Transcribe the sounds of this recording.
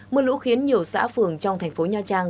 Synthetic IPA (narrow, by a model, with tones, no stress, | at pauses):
mɨ˧lṵ˧˥xi˨˦ənɲi˨˩əwsa̰ː˧˥fɨ˨˩əŋt͡ɕɔ˧wŋ͡mt̪ʰa˨˩jŋ̟fo˨˦ɲaː˧t͡ɕaː˧ŋ